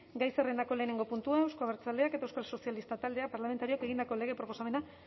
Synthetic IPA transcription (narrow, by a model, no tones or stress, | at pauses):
ɡajsere̞nd̪ako̞le̞ːne̞ŋɡo̞punt̪uae̞wskoaβeɾt͡sald̪e̞aket̪aewskalso̞sialist̪at̪ald̪e̞apaɾlame̞nt̪aɾio̞ake̞ɣ̞ind̪ako̞le̞ɣ̞e̞pɾo̞po̞same̞na